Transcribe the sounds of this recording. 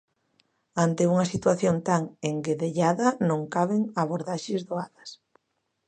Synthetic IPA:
ant̪euŋɐsit̪waθjont̪aŋeŋɡeðeʎaðɐnõŋkaβ̞eŋaβoɾðaʃezðoaðɐs

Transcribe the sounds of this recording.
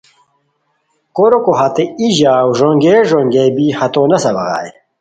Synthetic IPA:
koɾokoɦat̪eiʑaːwʐoŋɡeːʐoŋɡebihɐt̪oːnɐsɐbɐɣa̰ːj

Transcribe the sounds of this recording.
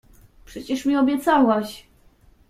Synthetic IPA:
pʂɛt͡ɕɛʂmʲiɔbʲjɛt̪sawaɕ

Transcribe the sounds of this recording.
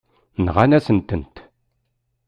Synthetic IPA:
nʁanæsənt̪ənt̪

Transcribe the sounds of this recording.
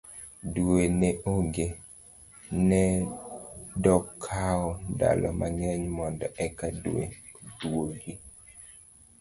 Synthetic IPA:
dwenɛʔoŋɡe | nɛ | dɔkʰaɔda̰lɔmʔaɲɛɲmɔndɔɛkaduḛ | dwoɡi

